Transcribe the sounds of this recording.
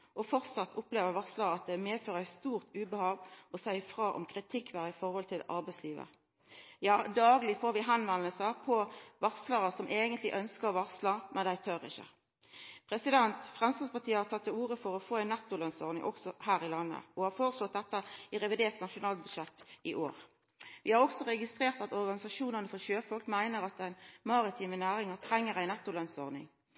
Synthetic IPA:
ʔɔfɔʁt̪sɑt̪ːʰʊpleːʋəɾʋɑʁsləɾəɑt̪̚d̪ɛmeːd̪føːʁəæɪst̪uːʁt̪ʉːbəhɑːʋɔsæɪfʁɑːʔɔ̰mkʰʁɪt̪ʰɪkːʋæːɾəɪfɔʁhɔlt̪ʰɪlɑ̰ɾbæɪsliːʋə̰ | jɑːd̪ɑːɡlɪfoːɾʋɪɦænʋɛnəlsəpʰɔʋɑʁsləʁəsɔmʔeːɡənt̪lɪ̰ʔœnskəʁʋɑʁsləmʔɛnd̪æɪt̪ʰœɾɪ̰çːə̰ | pʰʁɛsɪd̪ɛnt̪fʁɛmsɑspɑt̪ʰiːəhɑɾt̪ʰɑt̪ːɛuːʁəfɔɾɔfoːæɪnːɛt̪ːʊlœnsɔʁnɪ̰ŋʔɔ̰ksɔhæːʁɪlɑnːə̰ɔhɑɾfoːʁəslɔt̪̚d̪ɛt̪ːəɪʁɛʋɪd̪eːʁt̪nɑʂʊnɑːlbʉd̪ʃɛt̪ːɪʔoːʁ | ʋɪhɑɾɔksɔʁɛɡɪst̪ʁeːʁt̪ɑt̪ɔɾɡɑnɪsɑʃuːnənəfɔʃøːfɔlkmæɪnəɾɑt̪̚d̪æɪnmɑʁɪt̪ʰiːmənæːʁɪŋət̪ʰɾɛŋːəʁæɪnɛt̪ːʊlœnsɔ̰ʁnɪ̰ŋ

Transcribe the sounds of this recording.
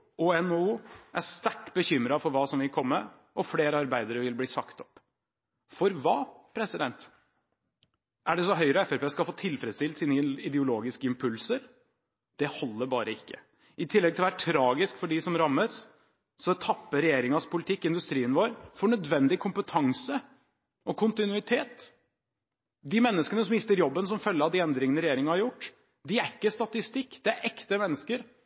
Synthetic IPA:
uɛnuːʔæst̪æʈbəçʏmɾɑfɔɾʋɑːsɔmʋɪlkʰɔmːə | ɔfleːɾəɑɾbæɪd̪əɾəʋɪlbliːsɑkt̪ɔp | fɔɾʋɑːpʰɾɛsɪd̪ɛnt̪ | ʔæɖɛsɔɦœʏɾɔɛfɛpeːskɑlfoːt̪ʰɪlfɾɛəd̪st̪ɪlt̪siːnəɪd̪ɛʊloːɡɪskəɪmpʰʉlsəɾ | d̪̥ɛhɔlːəbɑːɾʔəɪkːə | ɪt̪ʰɪlːɛɡ̪̚ɪlɔʋæːɾəʈʰɾɑːɡɪskfɔɖisɔmɾɑmːəs | sɔt̪ʰɑpːəɾɛjeːɾɪŋɑspʰʊlɪt̪ʰɪkːɪnd̪ʉst̪ɾiːənʋoːɾfɔɳœd̪ʋɛnd̪ɪkʰʊmpət̪ʰɑŋsə | ʔɔkʰʊnt̪ɪnʉɪt̪ʰeːt̪ | d̪ɪmɛnːəskənəsɔmɪst̪əɾjɔbːənsɔmfœlːəɾɑʋd̪ɪɛnd̪ɾɪŋənəɾɛjeːɾɪŋɑhɑɾjʊʈː | d̪ɪæɾɪkːəst̪ɑt̪ɪst̪ɪkːd̪ɛæɾʔɛkt̪əmɛnːəskəɾ

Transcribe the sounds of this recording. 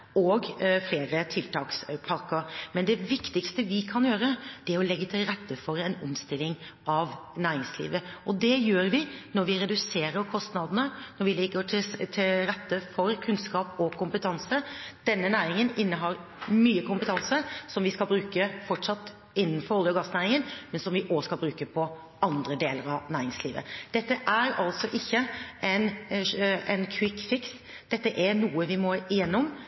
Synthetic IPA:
oːɡfleːɾət̪ʰɪlt̪ʰɑːkspʰɑɾkəɾmɛnd̪ɛʋɪkt̪ɪkst̪əʋɪkʰɑnjøːɾəd̪̥ɛæɾɔlɛɡːət̪ʰɪlɾɛt̪ːəfɔɾɛnɔmst̪ɪlːɪŋɑʋnæːɾɪŋslḭːʋəʔɔd̪ɛjøːɾʋɪnɔɾʋɪɾɛd̪ʉseːɾəɾkʰɔst̪nɑd̪nənɔɾʋɪlɪɡəʈt̪ʰɪlɾɛt̪ːəfɔɾkʰʉnskɑːpɔkʰʊmpət̪ʰɑnsəd̪̥ɛnːənæːɾɪŋənɪnːəɦɑɾmyːəkʰʊmpət̪ʰɑnsəɾsɔmʋɪskɑlbɾʉːkəfɔʈsɑt̪ː | ɪnːənfɔɾɔljɔɡɑsnæːɾɪŋənmɛnsɔmʋɪʔoːskɑlbɾʉːkəpʰɔ | ɑnd̪ɾəd̪eːləɾɑʋnæːɾɪŋsliːʋə̰d̪̥ɛt̪ːəʔæɾɑlt̪sɔʔɪçːəɛn | ɛɪnkʰwɪkfɪks | d̪̥ɛt̪ːəʔæɾnuːəʋɪmɔɪɛnːʊm

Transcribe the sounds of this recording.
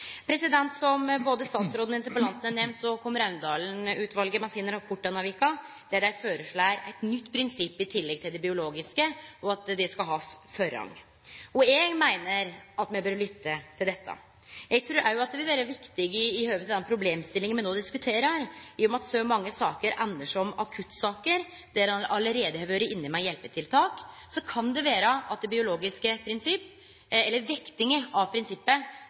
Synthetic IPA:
pʰɾɛsɪd̪ɛnt̪sɔmboːd̪əst̪ɑːt̪sɾoːd̪nɪnt̪əɾpəlɑnt̪n̩ænɛmnt̪sɔkʰɔmːəɾɑʉnd̪ɑːln̩ʉːt̪ʰʋɑlɡəmɛnsiːnəɾɑbʰʊʈːɑnɑʋɪkɑ | d̪æɖæɪføːɾəʂɭɑɾæɪt̪nʏt̪ːpʰɾɪnsɪpːɪt̪ʰɪlːɛɡ̚t̪ʰɪld̪ɛbɪʊloːɡɪskəɔɑt̪d̪ɛskɑlɦɑːfœɾɑ̰ŋ | ɔeːɡmæɪnəɾɑt̪mɛbøːɾlʏt̪ːət̪ʰɪld̪ɛt̪ːə̰ | jɛɡ̚t̪ʰɾʉːɾʔæ̰ɾjʊɑt̪̚d̪ɛʋɪlʋæːɾəʋɪkt̪ɪɡɪːhøːʋət̪ʰɑd̪ɛnpʰɾʊbleːmst̪ɪlɪŋənmɛnoːd̪ɪskʉt̪ʰeːɾəɾɪjɔmɑt̪sɔmɑŋːəsɑːkəɾʔɛnːəʂɔmɑkʰʉt̪ːsɑːkəɾ | d̪æɾɑʔɑləɾeːd̪əhɛʋøɾəʔɪnːɪmæɪjɛlpət̪ʰɪlt̪ʰɑːk | sɔkʰɑnd̪ɛʋeːɾəʔɑt̪̚d̪ɛbɪʊloːɡɪskəpʰɾɪnsɪpː | ɛlːəɾʋɪkt̪ɪŋəɑʋpʰɾɪnsɪpːə

